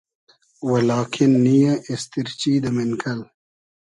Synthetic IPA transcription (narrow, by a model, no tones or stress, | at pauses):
wɐlaːkʰinːijãʔest̪iɾt͡ɕiːd̪ɐmenkʰɐl